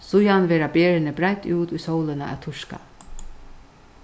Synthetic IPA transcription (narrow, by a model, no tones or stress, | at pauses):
sʊjanʋeːɾabeːɹɪnɪbɾajt̪uːt̪ujsowlɪnaʔæ̰t̪ʰʊʂka̰